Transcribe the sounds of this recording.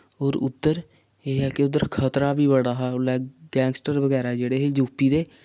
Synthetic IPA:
oːɾʊ̰d̪ːəɾ | eːɦɛːkeʊd̪əɾkʰət̪ɾaːbiːbəɽaːɦɛːlɛːɡɛ̃ːŋɡsʈəɾʋəɡɛːɾaːd͡ʒeːɽeːɦeːd͡ʒuːpiːd̪eː

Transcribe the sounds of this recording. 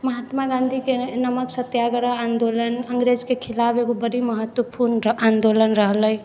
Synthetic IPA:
məɦat̪maɡãnd̪ʱikenəməksət̪jaɡɾəand̪olənəŋɡɾed͡ʒkekʰilabeɡobəɽiməɦət̪wəpuɾnand̪olənɾəɦləj

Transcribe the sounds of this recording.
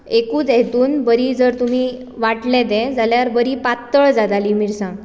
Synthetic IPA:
ekuːt͡sɛɦt̪uːnbəɾid͡zəɾt̪um̤i | ʋaʈlɛ̃d̪ɛ̃d͡zaljaɾbəɾipat̪ːəɭd͡zad̪alimiɾsãɡ

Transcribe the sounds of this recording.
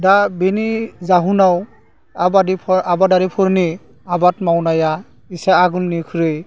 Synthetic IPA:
dabenizaɦunaw | abadipʰɔabadaɾipʰɔɾni | abatmawnaja | isaaɡulnikʰuɾɯj

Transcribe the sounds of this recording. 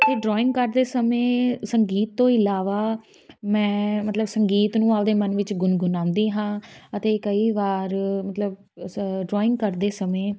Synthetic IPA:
ət̪eːɖɾɔːɪ̃ŋɡkəɾd̪eːsəmẽːsəŋɡiːt̪ːõːɪlaːʋaː | mɛ̃ːmət̪ləbsəŋɡiːt̪nũːaːld̪eːmənʋɪt͡ʃɡʊnɡʊnãːʊ̃nd̪iːɦãːət̪eːkəiːʋaːɾmət̪ləb | ɖɾɔːɪ̃ŋɡ̚kəɾd̪eːsəmẽː

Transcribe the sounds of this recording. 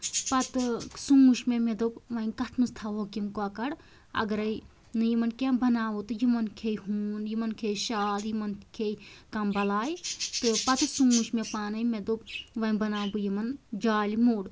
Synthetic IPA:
pɐt̪sumːuʃmẽmed̪obʋɐnkɐʈʰnɨst̪ʰaːɦoːkimkoaːkɐɽ | ɐ̰ɡɐɾɐi | nɨjimɐnkembɐnaːʋot̪ɨjimɐnkʰeːɦuːnjimɐnkʰeːjʃaːljimɐnkʰeːjkɐmbɐlaːjt̪ɨpɐt̪ɨsumuʃmẽpaːnɐimed̪op̚ʋɐnʲbɐnaːbujimɐnd͡ʒaːlimuːɽ

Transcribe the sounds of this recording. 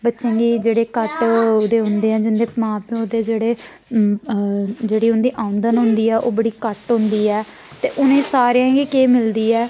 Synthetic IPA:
bətːʃẽːɡiːd͡ʒeːɽeːkəʈʊd̪eːɦʊ̃nd̪eːɛ̃ːd͡ʒɪnd̪eːmãːpẽʊd̪eːd͡ʒeːɽeː | d͡ʒeːɽiːɦʊnd̪iːʔãːʊ̃nd̪ənɦʊ̃nd̪iːɛːʔo̰ːbəɽiːkəʈɦʊ̃nd̪iːɛː | t̪ḛːʔʊnẽːsaːɾjãːɡiːkeːmɪld̪iːɛː

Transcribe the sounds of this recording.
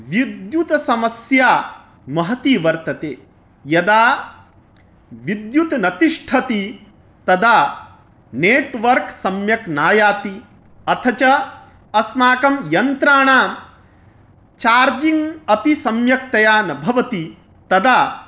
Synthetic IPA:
ʋid̪jut̪ɐsɐmɐsjaː | mɐɦɐt̪iːʋɐɾt̪ɐt̪eː | jɐd̪aː | ʋid̪jut̪nɐt̪iʂʈʰɐt̪i | t̪ɐd̪aː | neːʈʋɐɾksɐmjɐknaːjaːt̪i | ɐt̪ʰɐt͡ʃɐ | ɐsmaːkɐmjɐnt̪ɾaːɳaːm | t͡ʃaːɾd͡ʒiŋɡɐpisɐmjɐk̚t̪ɐjaːnɐbʱɐʋɐt̪i | t̪ɐd̪aː

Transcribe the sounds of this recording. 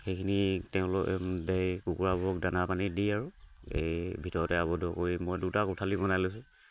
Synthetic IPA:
xejkʰinitɛʊ̃lʊkɛdejkukuɹabɔɔkdanapanidiaɹʊḛjbʱitɔɹɔtɛaβɔdʱɔkoɹimɔjdutakutʰalibɔnajlojsɛ

